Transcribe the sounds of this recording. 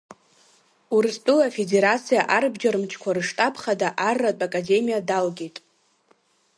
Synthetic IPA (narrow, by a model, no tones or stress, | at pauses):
urɨstʼɨlafede̞ɾat͡sʰijaʔarbd͡ʒaɾɨmt͡ʃʰkʷʰarɨʂtʼapʰχadaʔarːatʼakʼade̞mijadalɡʲetʼ